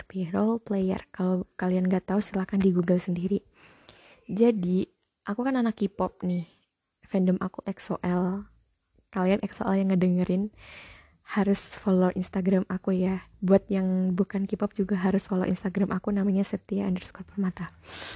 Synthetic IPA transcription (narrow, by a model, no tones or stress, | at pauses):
piɾolplejə̰rkalokalianŋɡat̪aust̪əlahkandiɡuɡəlsəndiɾi | d͡ʒadi | ʔakukananakːipɔp̚nɪh | fɛndəmʔa̰kuʔɛksoʔɛl | kalianʔɛkso̰ʔɛljaŋːədəŋəɾɪn | haɾʊsfoloʔinst̪aɡɾamʔakujabuat̪̚jaŋbukankipɔp̚d͡ʒuɡaɦaɾʊsfolo̰ʔḭnst̪aɡɾamʔakunamaɲasət̪iaːndərskɔr̚pɔrmat̪a